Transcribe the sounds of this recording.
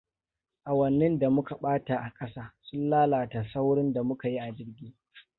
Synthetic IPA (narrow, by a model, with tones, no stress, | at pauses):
ʔa˨wɐ˨nːɪ˦nda˨mʊ˦ka˨ɓaː˦ta˨ʔa˨kʼɐ˦saː˦sʊ˦nlaː˦laː˨ta˨sa˦wɽɪ˦nda˨mʊ˦ka˨ji˦ʔa˨d͡ʒɪ˦ɽɡʲiː˦